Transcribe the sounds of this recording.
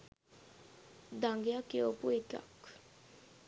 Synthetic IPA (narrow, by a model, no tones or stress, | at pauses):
d̪aŋɡjakeopuet̪a̰k